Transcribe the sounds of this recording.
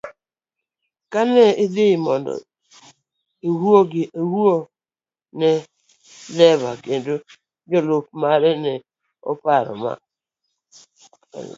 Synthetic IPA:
kanɛɪdɪmɔndɔ̰ | ewuoɡɪʔewuo | nɛ | lɛβaɡendo | d͡ʒɔlop̚maɾɛnɛ | ɔ̰paɾɔ̰ma̰

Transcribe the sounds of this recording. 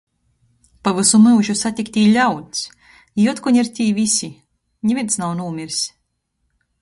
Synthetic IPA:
pavɨsumɨwʒusat̪ʲikt̪ʲiːlʲawt̪s | juɔt̪kuɲiɾt̪ʲiːvisʲi | ɲivint̪snawnuːmʲiɾsʲ

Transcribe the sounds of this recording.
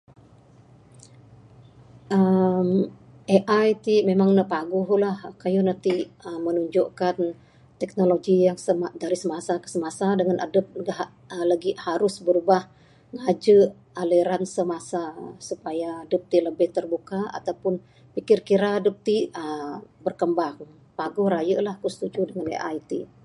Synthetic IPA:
ʔəm | ʔeʔajt̪imemaŋnəpaɡʊɦlahkajunat̪iəmːənuɲd͡ʒɔʔkan | t̪ɛk̚noloɡijaŋsəmadaɾisəmasakə̥səmasadəŋanʔadəp̚ɡah | əlaɡihaɾʊsbəɾubah | ŋad͡ʒəʔ | aliɾansəmasasupajaːdəp̚t̪iləbɪht̪ərbukaa̰t̪awpʊn | pikɪrkiɾadəp̚t̪iəbərkəmbaŋ | paɡʊhɾajəʔlahkəst̪ud͡ʒudəŋanḛʔajt̪i

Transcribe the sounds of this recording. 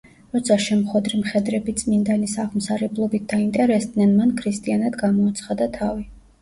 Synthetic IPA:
ɾɔt̪sʰaʃɛmχwɛd̪ɾimχɛd̪ɾɛbit̪sʼmind̪anisaʁmsaɾɛblˠɔbit̪̚ʰd̪aint̪ʼɛɾɛsd̪nɛnmankʰɾist̪ʼianad̪ɡamɔːt̪sʰχad̪at̪ʰavi

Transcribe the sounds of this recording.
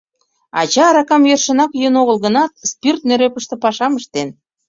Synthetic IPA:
ɑ̰t͡ɕɑːɾɑkɑmjørʃə̆nɑkjønoɣə̆lɣə̆nɑt̪̚spirt̪̚nøɾøpə̆ʃt̪ĕpɑʃɑməʃt̪en

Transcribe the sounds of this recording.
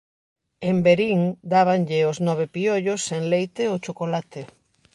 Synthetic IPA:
embeɾiŋd̪aβaŋʎɪoznɔβ̞epioʎosːeŋlejt̪eot͡ʃokolat̪ɪ

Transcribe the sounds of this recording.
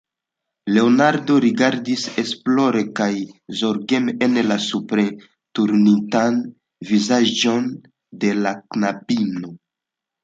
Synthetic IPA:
le̞onaɾdo̞ɾiɡaɾdise̞splo̞ɾe̞kajzo̞ɾɡemenlasupɾe | tuɾnitan | vizad͡ʒo̞n | de̞laknapino̞

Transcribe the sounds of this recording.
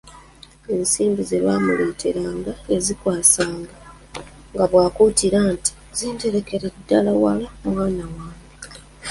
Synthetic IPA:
e̞nsiːmbizeβaːmuleːtʰeɾaːŋɡaezikwaːsaːŋɡa | ŋɡaβwaːkuːtiɾaːnti̥ | ziːnte̞ɾe̞ke̞ɾedːalawa̰lamwaːnawaːme

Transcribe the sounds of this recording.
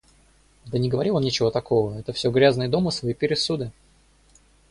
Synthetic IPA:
d̪ənʲɪɡəvɐɾʲilo̞nnʲɪt͡ɕɪvo̞t̪ɐkʰo̞vəɛt̪əfsʲo̞ɡɾʲaznəjəd̪o̞mɨsvɐipʲɪɾʲɪsud̪ɨ

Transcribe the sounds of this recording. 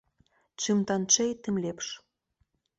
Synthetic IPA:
t͡ɕymt̪ɑnt͡ʃejt̪ɘ̆mlʲepʃ

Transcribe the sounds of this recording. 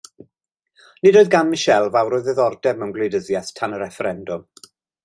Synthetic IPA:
nɪdoːðɡanmɪʃɛlˠvawɾoːɨðɛðɔrdɛvməwnɡlˠedəðjaθtʰanəɾɛfɛɾɛndʊm

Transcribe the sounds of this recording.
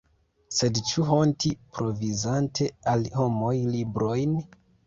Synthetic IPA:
se̞dt͡ʃuɦo̞ntipɾʔo̞vizantʰe̞alho̞mo̞jlibɾo̞jn

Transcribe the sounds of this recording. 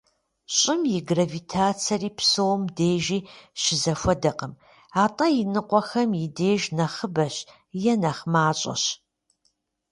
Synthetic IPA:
ɕʼɪmjɪɡravitʰaːt͡sʰɐriːpsowmdeːʒiːʃɪzɐfʷɔdɐqəm | aːtʼɐjɪnɨqʷʼɔxɐmjɪdeːʒnɐχəbɐɕ | jɛnɐχmaːɕʼɐ̰ɕ

